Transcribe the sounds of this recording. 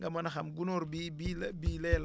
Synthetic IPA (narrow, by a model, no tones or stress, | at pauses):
ŋɡɐmɐnaxamɡunoɾbibibiːlɛl